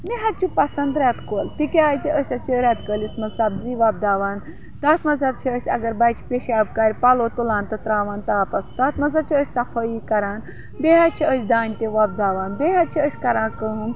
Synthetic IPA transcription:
miɦɐt̪t͡ʃupɐsɐnd̪ɾat̪koːlt̪ikʲeaːjt͡ʃiʔəsʲɐt͡ʃiɾʲaːt̪kəlismɐsɐbziːʋaːb̚d̪aːʋaːn | t̪aːt̪mɐzɐt̪t͡ʃʰiəsʲɐ̰ɡɐɾbajt͡ʃʰi̥pʲeʃaːb̚kaːɾʲpalot̪ulaːnt̪ɐt̪ɾaːʋaːnt̪aːpɐst̪aːt̪mɐzat͡ʃʰiəsʲsɐfʰəjikɐɾaːn | beɦat͡ʃʰiəsʲd̪aːnʲt̪eʋaːb̚d̪aːʋaːnbeːɦat̪̚t͡ʃʰiəsʲkɐɾãːkən

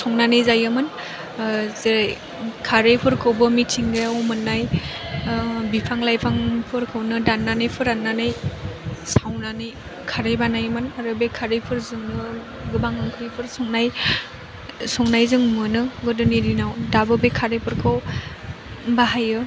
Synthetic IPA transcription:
sɔŋnanɯjzajɯmɯn | ze | kʰaɾepʰɯɾkʰɯwbɯmitʰiŋɡajawmɯnːaj | bipʰaŋlajpʰaŋpʰɯɾkʰɯwnɯdanːanɯjpʰɯɾanːanɯj | sawnanɯj | kʰaɾejbanajmɯnaɾɯbekʰaɾepʰɯɾzɯŋnɯ | ɡɯbaŋɯŋkʰɯɾipʰɯɾsɔŋnaj | sɔŋnajzɯŋmɯnɯɡɯdɯniɾinawdabɯbekʰaɾepʰɯɾkʰɯw | baɦajɯ

